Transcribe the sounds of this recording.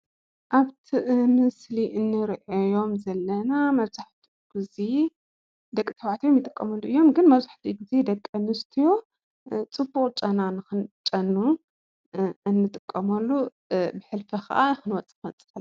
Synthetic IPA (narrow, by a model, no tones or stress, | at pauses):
ʔaβt̪ʰiʔmɨsliʔɨnːɨɾʔɐjo̞mzɐlːɐnamɐβzaħt̪ʰi | ɡ̥uzi | d̪ɐkʼːit̪ʰɐβʕat̪ʰijomjɪt̪ʼɨkʼːɐmɐlːuʔɨjːo̞mɡɨnmɐβzaħt̪ʰiɡɨzed̪ɐkʼːɐmɨst̪ʰijo̞ | t͡sʼɨbːuqʼt͡ʃʼɐnanɨxɨnt͡ʃʼɐnːu | ɨnːɨt̪ʼɨkʼːɐmɐlːu | bɨħɨlfɐxa̰ʔanɨxɨnwɐt͡sʼɨ̥xɐɨnt͡sʼɨ̥fɐl